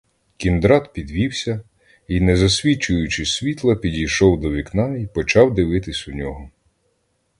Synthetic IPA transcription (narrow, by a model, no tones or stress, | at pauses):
kʲind̪ɾɑd̪pʲid̪ʋʲiwsʲɐ | inɛzɐsʲʋʲit͡ʃʊjʊt͡ʃɪsʲʋʲit̪lˠɐpʲidʲijʃɔwd̪ɔʋʲiknɑipɔt͡ʃɑwd̪ɪʋɪt̪ɪsʲʊnʲɔɦɔ